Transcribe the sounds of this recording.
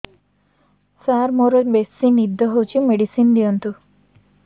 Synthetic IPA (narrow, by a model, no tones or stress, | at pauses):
saɾmoɾɔbesinid̪ʱːɔɦowt͡ʃʰimeɽisind̪ijɔnt̪u